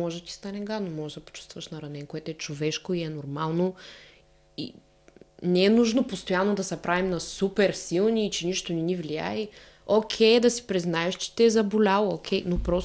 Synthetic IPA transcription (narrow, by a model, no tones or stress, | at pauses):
ɔʒɛt̪i̥st̪anɛɡad̪nomɔʒɛʒd̪ɐpo̥t͡ʃu̥st̪vɐʃnɐɾɐnɛnkoɛt̪oɛt͡ʃovɛʃkoiɛnoɾmalˠno | ḭ | nɛɛnuʒnopost̪ojanːod̪ɐsɛpɾavimnɐsupɛɾsilˠniːt͡ʃɛniʃt̪onɛnivlia̰i | okʲʰɛjd̪ɐsi̥pɾiznaɛʃt͡ʃɛ̥t̪ɛzɐbolʲalˠookʲʰɛjnopɾɔs